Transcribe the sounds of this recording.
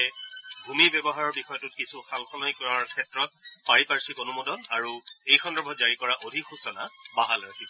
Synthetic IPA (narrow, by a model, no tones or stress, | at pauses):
ɛbʱumibjɛbɔɦaɹɔɹbixɔjɔtʊt̚kisuxalxɔnɔjkɔɹaɹkʰɛtɹɔt̚paɹipaɹsikonumɔdɔnaɹuejxʰɔndɔbʱɔzaɹikɔɹaʔodʱikxusɔnabaɦalɔɹakʰis